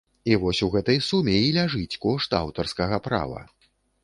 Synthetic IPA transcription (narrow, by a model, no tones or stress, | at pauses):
ivɔsʲuɣɛt̪ɐjsumʲɛilʲaʐɨt͡sʲkɔʂt̪a̰wt̪ɐrskɐɣɐpɾa̰vɐ̰